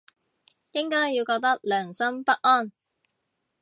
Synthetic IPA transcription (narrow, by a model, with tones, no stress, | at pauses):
jɪ˥ŋkɔː˥jiː˧wkɔː˧k̚t̪ɐ˥k̚lœː˨˩ŋsɐ˥mpɐ˥k̚ʔɔː˥˩n